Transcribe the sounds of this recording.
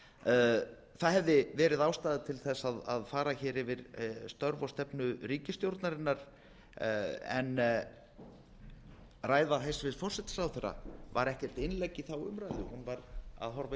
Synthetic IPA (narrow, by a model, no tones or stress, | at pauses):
θaðɦɛvðɪvɛːɾɪðawst̪aːðɪt̪ʰɪlθɛsːaða̰ðfaːɾaçɪːɾɪvɪɾst̪œɾvɔst̪ɛpnʏɾiːcɪst̪jowɾt̪naɾɪnːaɾ̥ | ɛ̰n | raːjðaɦejsvɪðfɔr̥sɛt̪ɪ̥sawθɛɾːa̰va̰ɾɛhcɛ̥t̪ɪnlejcːɪθawʏ̰mɾajðʏhunvaɾa̰ðɦɔɾva